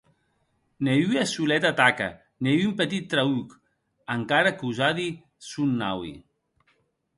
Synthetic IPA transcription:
neyasulɛt̪at̪aka̰ | neyumpət̪it̪ːɾauk | əŋkaɾakuzaði | sunːa̰wḭ

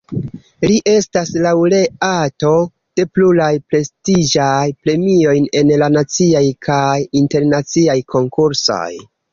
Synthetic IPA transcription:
liʔe̞staslawɾe̞ato̞ | d̥e̞pluɾajpɾe̞stid͡ʒajpɾe̞mio̞jne̞nlanat͡siajkʰajinte̞ɾnat͡siajkʰo̞ŋkuɾso̞̰j

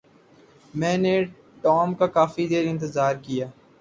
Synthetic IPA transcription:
mɛ̃ːne | ʈɔːmkakaːfid̪eːɾɪ̃nt̪̬əzaːɾkijaː

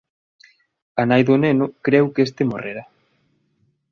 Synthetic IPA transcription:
anajðonenʊkɾɛwkest̪emoreɾa

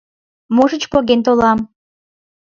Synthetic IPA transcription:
moʒət͡ɕpoɣent̪olɑm

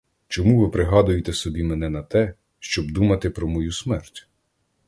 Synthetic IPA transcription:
t͡ʃɔmuʋɪpɾɪɦɑd̪ʊjet̪ɛsɔbʲimɛnɛnɐt̪ɛ | ʃt͡ʃɔbd̪umɐt̪ɪpɾɔmɔjusmɛrtʲ

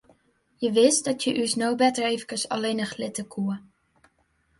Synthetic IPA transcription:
jəʋɪstdɑtjəʔysnowbɛtəɹejvəkəsɑ̰lejnəχlɪtəkʰu

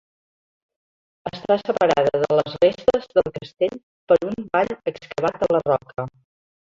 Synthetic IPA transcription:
əst̪asəpəɾa̰ðəðələzrest̪əzðəlˠkəst̪eʎ | pəɾumbaʎəkskəβ̞at̪̚ələrɔkə

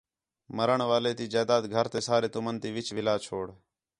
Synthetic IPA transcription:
məɾəɳʋaːleːt̪iːd͡ʒaːd̪aːd̪ɡʱəɾt̪eːsaːɾeːt̪ʊmənt̪iːʋɪt͡ʃʋɪlaːt͡ʃʰoːɽ

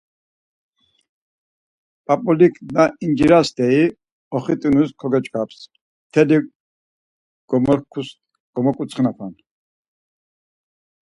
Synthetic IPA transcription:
pʼapʼɔlikʰʼnaind͡ʒiɾasd̪ɛi | ɔχit̪ʼinuskʰɔɡɛt͡ʃʼkʰaps | t̪ʰɛli | ɡ̥ɔmɔɾkʰus | ɡ̥ɔmɔkʼut͡sʰχinapʰan

